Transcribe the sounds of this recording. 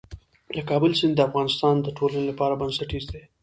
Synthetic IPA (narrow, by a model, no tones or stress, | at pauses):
lakɑbəlsɪnd̪d̪əafɣɑnɪst̪ɑnd̪əʈʰolanelapɑɾabansaʈizd̪e